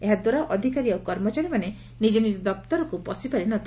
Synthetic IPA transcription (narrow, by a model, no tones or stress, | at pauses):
eɦad̪waɾaʔɔd̪ʱikaɾiawkɔɾmɔt͡ʃaɾimane | nid͡ʒenid͡ʒɔd̪ɔp̚t̪ɔɾɔkupɔsipaɾinɔt̪ʰi